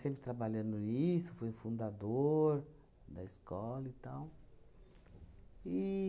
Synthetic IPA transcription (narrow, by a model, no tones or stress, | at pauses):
sẽmpɾɪt̪ɾabaʎɐ̃nd̪ʊisʊfojũfũnd̪ad̪oɾ | d̪ɐiskɔlɐit̪aw | i